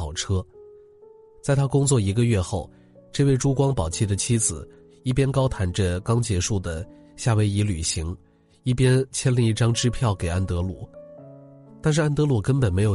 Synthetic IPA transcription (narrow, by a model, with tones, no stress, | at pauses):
ɑ˨˩ʊʈ͡ʂʰɤ˥ | t͡sa˥˩ɪt̪ʰa˥kʊ˥ŋt͡swɔ˥˩i˧˥ɡə˧ɥɛ˥˧xo˥˩ʊ | ʈ͡ʂɤ˥˧we˥˧ɪʈ͡ʂu˥kwɑ˥ŋpɑ˨˩ʊt͡ɕʰi˥˩d̪ə˩t͡ɕʰi˥d͡zɹ̩˨˩ | i˥˩p̬jɛ˥nkɑ˥ʊt̪ʰa˧˥nʈ͡ʂə˧kɑ˥ŋt͡ɕjɛ˧˥ʂu˥˩d̪ə˩ | ɕja˥˩we˧˥ɪi˧˥ly̰˨˩ɕi˧˥ŋ | i˥˩pjɛ˥nt͡ɕʰjɛ˥nli˧i˥˩ʈ͡ʂɑ˥ŋʈ͡ʂɻ̩˥pʰjɑ˥˩ʊke˨˩ɪa˥nt̪ɤ˧˥lṵ˥˨˩ | t̪a˥˧nʂɻ̩˥˩a˥nt̪ɤ˧˥lu˨˧˩kə˥npə˨˩nme˧˥ɪjo˨˩